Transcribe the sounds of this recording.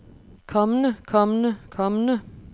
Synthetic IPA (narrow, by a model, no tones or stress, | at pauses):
kʰɒmnəkʰɒmənəkʰɒmənə